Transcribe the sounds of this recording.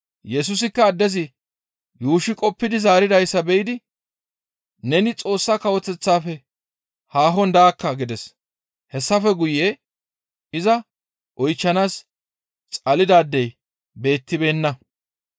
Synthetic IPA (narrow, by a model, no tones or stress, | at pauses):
jɛs̬ʊsɪkːɐːd̪ːɛzɪ | juːʃɪkʼɔpːɪd̪ɪzaːɾɪd̪ɐjsːɐbɛjɪd̪ɪ | nɛnɪt͡sʼo̞ːsːakɐwɔt͡sːɛt͡sːaːfɛ | haːɦɔnd̪aːkːɐɡɪd̪ɛs | hɛsːɐfɛɡʊje | ɪzɐ | ʔɔjt͡ʃːɐnaːs | t͡sʼɐlɪd̪aːd̪ːɛj | be̞ːt̪ːɪbe̞ːnːɐ